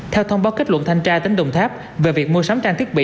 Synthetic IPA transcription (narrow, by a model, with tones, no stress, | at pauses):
t̪ʰɛ˧wt̪ʰə˧wŋ͡mɓaː˨˦wki˦˥lwə̰˧˨nt̪ʰa˧ŋt͡ɕaː˧t̪e˨˦ŋɗə˨˩wŋ͡mt̪ʰaː˦˥p̚ | ve˨˩vi˨˩ək̚mu˧əsa˨˦wŋ͡mt͡ɕaː˧ŋt̪i˦˥ɓḭ˧˨